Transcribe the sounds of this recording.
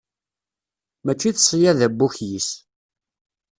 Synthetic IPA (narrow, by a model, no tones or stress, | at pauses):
mæt͡ʃːiθəsˤːjæðæbːuçjis